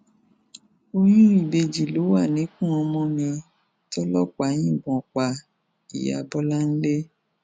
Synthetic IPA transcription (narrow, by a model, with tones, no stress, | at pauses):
o˧jĩ˦i˦˨be˧d͡ʒi˨lo˨˦wa˦˨nĩ˨˦kũ˦˨ɔ̃˧mɔ̃˧mĩ˧ | tɔ˦lɔ˦k͡pa˨˦j̃ĩ˦˨ɡ͡bɔ̃˨k͡pa˨ | ḭ˨ja̰˨bɔ˦la˦n̩˦le˦